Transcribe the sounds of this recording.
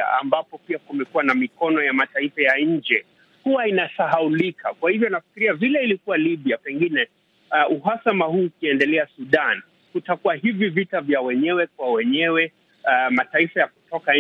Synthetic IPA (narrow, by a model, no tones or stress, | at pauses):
a̰a̰mbapɔpiakumɛkuwanamikɔnɔjamataifajaɲ̩d͡ʒɛ | kuwainasaɦaulikʰakwahivjɔnafi̥kiɾiavilɛilikuwaliɓiapɛŋɡinɛ | uɦasamaɦuːkiɛndɛlɛasuɗan | kutakuwahivivitavjawɛɲɛwɛk̚wawɛɲɛwɛ | mataifajaku̥tɔka